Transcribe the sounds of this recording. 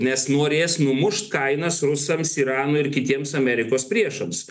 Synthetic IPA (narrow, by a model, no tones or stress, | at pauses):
nʲɛsnoːɾʲeːsnʊmʊʃt̪kɐɪnɐsɾʊsɐmsiːɾɑːnʊːɪɾkʲɪt̪ʲiɛmsɐmʲɛɾʲɪkoːspʲɾʲiɛʃɐms